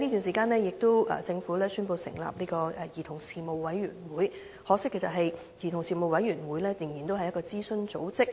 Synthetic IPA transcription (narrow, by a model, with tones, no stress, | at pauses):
ni˥t̪y˨ns̬iː˨˩kaː˧nlɛː˥jɪ˨k̚t̪o˥wʔɛ̰˨t͡sɪ˧ŋfuː˨˥lɛː˥syː˥npo˧wsɪ̰˨˩ŋla̰ː˨p̚niː˥kɔː˧ɛ˨˩jiː˨˩t̪ʰʊ˨˩ŋsiː˨˧mo˨˧wwɐ˨˥jɥy̰ː˨˩nwuː˨˥j | hɔː˨˧sɪ˥kʰːe˨˩sɐ˨t̚ɦɐ˨j | jiː˨˩t̪ʰʊ˨˩ŋsiː˨mo˨wɐ˨˥jyː˨˩nwuː˨˥jlɛː˥jɪ˨˩ŋji˨˩nt̪o˥wɐ˨jɐ˥tkɔː˧t͡siː˥sɵ˥nt͡so̰˨˥wt͡sɪ˥k̚